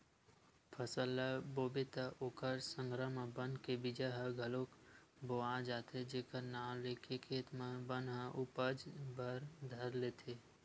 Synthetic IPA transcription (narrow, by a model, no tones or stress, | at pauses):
pʰəsəlːaboːbɪt̪aʔoːkəɾsə̃ŋɡɾəmãbənkebɪd͡ʒaɦəɡʱəlokboãd͡ʒaːt̪ed͡ʒeːkəɾnaːleːkʰekʰeːt̪mãbənɦə̃ʔʊpəd͡ʒbəɾd̪ʱəɾleːt̪ʰeː